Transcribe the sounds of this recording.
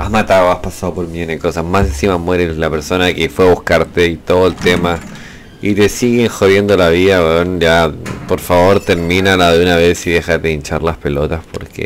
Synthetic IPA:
azmat̪aoaspasaðopoɾmioneko̞sasmasẽ̞nsimamwe̞ɾeslape̞ɾso̞nakefweaβuhkaɾt̪eit̪oðoelt̪ema | it̪e̞siɣeŋxoðje̞nd̪olaβiðawenjapo̞ɾfaβo̞ɾt̪eɾmĩnalaðeunaβesiðexat̪eint͡ʃaɾlaspe̞lot̪aspo̞̰ɾkʰḛ

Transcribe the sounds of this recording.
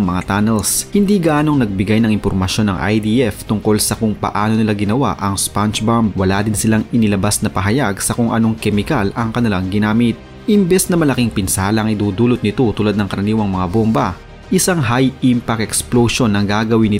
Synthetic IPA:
ŋmɐŋat̪anɛlshɪnd̪iɡɐʔaːno̞ŋnɐɡ̚bɪɡajnɐŋɪnmpoɾmɐʃjo̞nːɐŋʔa̰jd̪iʔɛft̪ʊŋko̞lsɐkʊŋpɐ̰ʔaːno̞nɪlaɡɪnɐwa̰ʔɐŋspant͡ʃbamb̚wɐlad̪ɪnsɪlaŋɪnɪlɐbasnɐpɐɦɐjaɡsɐkʊŋʔɐno̞ŋkɛmɪkalɐŋkɐnɪlaŋɡɪnaːmɪt̪̚ | ʔɪmbɛsnɐmɐlɐkiŋpɪnsaːlɐʔɐŋʔɪd̪uːd̪uːlot̪̚nɪt̪o̞t̪uːlad̪̚nɐŋkɐɾɐniːwɐŋmɐŋabombɐ | ʔɪsaŋɦajimpɐkʔɛksploʃo̞nːɐŋɡaːɡɐwɪnːɪ

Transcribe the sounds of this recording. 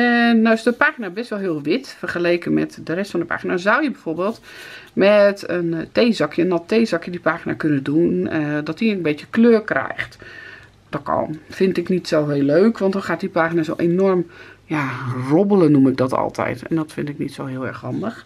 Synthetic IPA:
ɛːasdəpaːxinabɛstʋɔlˠɦiəlˠʋɪtfərxəleːkəmɛ̰tdərɛstfɔndəpa̰ːxinazawjəbɛjforbeːlˠt | mɛtənteːzɔkʰjənɔtʰeːzɑkjədipaːxina̰kønədundɔtikənbetjəkløːrkrɛ̰jxt | d̥ɔtkʰɔ̰nfɪntɪknitsoːɦeːlːøːkʰʋɔntdɔnxaːt̚dipaːxinazowʔenormjarobələnumɪk̚dɔtɔ̰lˠtʰɛ̰jtʰɛ̰ndɔtfɪntɪknḭtsowɦɪəlˠɛ̰rxhɑndəx

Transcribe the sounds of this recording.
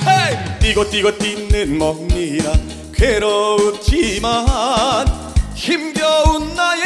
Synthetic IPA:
hejt̪iɡot̪͈iɡʌt̪inːɯnmʌk̚ɲiɾa | keɾout͡ɕimaɦan | çimɡjʌunːaj

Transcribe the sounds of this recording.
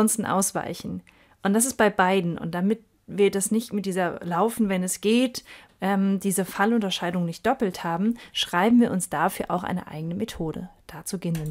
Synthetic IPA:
ɔnstn̩ʔa̰ʊsv̥a̰ɪçn̩ | ʔʊntd̥as̬ɪst̚b̥aɪbaɪdn̩ʊ̰nt̚d̥amɪt̚ | viːɐdasnɪçtmɪt̚d̥iːzɐlaʊfn̩vɛnɛsɡ̥eːtʔɛːmdiːzəfalʊntɐʃaɪdʊŋnɪçt̚d̥ɔpl̩thaːbm̩ʃʁ̥aɪbm̩viːɐʊnsd̥afyːɐʔa̰ʊxʔa̰ɪnə̰ʔa̰ɪɡənəmetʰoːdə̰d̥aːt͡suɡɪnən

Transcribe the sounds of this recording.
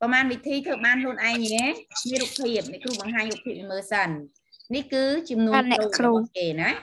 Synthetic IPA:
pɑmaːnʋit̪ʰiːt̪ʰəːɓaːnpluənʔaɛŋɲɛmiəruk̚pʰːiəp̚nɛ̆kruːɓɑŋɦaːɲruːpʰiəp̚ʋiməːsənː | ihkɨːt͡ɕɑmnuənɛːkʰluːkeːna

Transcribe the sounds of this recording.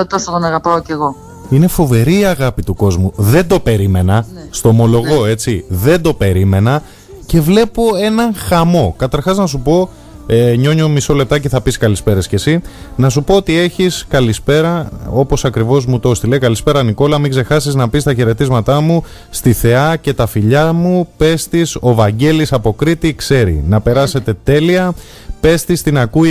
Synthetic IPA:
ot̪osot̪onɐɣɐpɐoce̞ɣo̞ | ine̞fo̞ve̞ɾiːɐɣɐpit̪uko̞zmuðe̞nd̪o̞pe̞ɾime̞nɐst̪oːmo̞lo̞ɣo̞e̞t͡siðe̞nd̪o̞pe̞ɾime̞nɐ | ce̞vle̞po̞e̞nɐŋxɐmo̞kɐt̪ɐɾxɐznɐsupo̞ | eɲo̞ɲomiso̞le̞p̚t̪ɐceθɐpiskɐlispe̞ɾesce̞sinɐsupo̞ot̪ie̞çiskɐlispe̞ɾɐo̞po̞sɐkɾivo̞zmut̪o̞st̪ileikɐlispe̞ɾɐniko̞lɐmiɡze̞xɐsiznɐpist̪ɐçe̞ɾe̞t̪izmɐt̪ɐmu | st̪iθe̞ɐce̞t̪ɐfiʎɐmupe̞st̪iso̞vɐɲɟe̞lisɐpo̞kɾit̪ikse̞ɾḭnɐpe̞ɾɐse̞t̪e̞t̪e̞liɐ | pe̞st̪ist̪inɐkui

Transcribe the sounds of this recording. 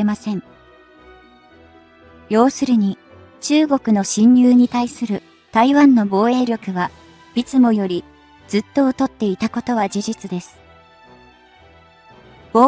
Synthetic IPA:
emasẽ̞ɴ | jo̞ːsɨɾɯ̟ɲ̟i | t͡ɕɨːɡo̞kɯ̟no̞ɕĩɲ̟ːɨːɲ̟it̪aisɨɾɯ̟ | t̪aiβãnːo̞bo̞ːe̞ːɾʲjo̞kɯ̟βa | b̥ʲit͡sɨmo̞jo̞ɾʲi | d͡zɨt̪ːo̞ːt̪o̞t̪ːe̞it̪ako̞t̪o̞β̞ad͡ʑiʑit͡sɨd̪e̞sɨ̥ | b̥o

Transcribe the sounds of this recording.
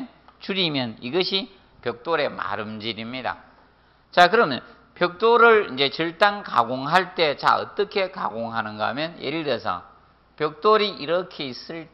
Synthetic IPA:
n | t͡ɕuɾimjʌniɡʌɕʰi | pjʌk̚t͈oɾe̞ma̰ɾɯmd͡ʑiɾimɲida̰ | t͡ɕakɯɾʌmjʌ̰n | pjʌk̚t͈oɾɯɭind͡ʑe̞t͡ɕɯɭt͈aŋka̰ɡoŋɦaɭt͈e̞t͡ɕa̰ʌ̰t͈ʌkʰe̞ka̰ɡoŋɦanɯnɡa̰mjʌnjeɾiɾesʰʌ̰ | pjʌk̚t͈oɾiʔiɾʌkʰeis͈ɯɭt

